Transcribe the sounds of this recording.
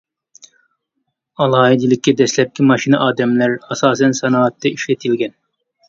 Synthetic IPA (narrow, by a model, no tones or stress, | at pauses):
ɑlˠɑːɦid̪ilɪkʲːɛd̪ɛslɛp̚kʲʰimɑʃinɨʔɑːd̪ɛmlæɾɑsɑːsɛnsɛnɑːɑt̪ʰːɛiʃlɛt̪ʰɪlɡʲɛn